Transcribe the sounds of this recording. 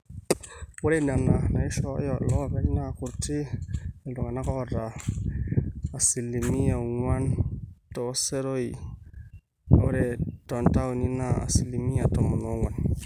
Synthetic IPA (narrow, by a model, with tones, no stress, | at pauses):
wu˦ɾe˦˨n˨a˨mna˨na˨i˦ʃɔ̰˦jo˨lɔ˦˨be˦d͡ʒi˦na˦˨ku˨ɾti˦e˨ldo˨ŋa˨na˦kɔ˦da˨ | si˨lːi˨mi˦ja˨ŋa˦nto˨˦se˦ɾo˦i˨˦ | ɾe˨to˨nta˦wu˨ni˦na˦a̰˨si˨li˨mi˦ja˨to˨mu˨no˨˦ŋwa˨n